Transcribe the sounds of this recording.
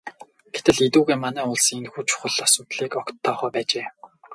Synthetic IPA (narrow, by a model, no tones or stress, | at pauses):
ɡ̥et̪ɘ̆ɮit̪uːɣeːmanæːʊɮsnxuːt͡ɕʰʊ̥χə̆ɮasʊːt̪ɮiːkɔkt̪ʰːɔːχɔːpæːt͡ɕeː